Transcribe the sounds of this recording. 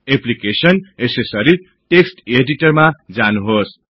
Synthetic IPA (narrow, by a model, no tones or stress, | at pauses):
eplikesʌnesesʌɾi | ʈeksʈeɖiʈʌrmad͡zanuɦos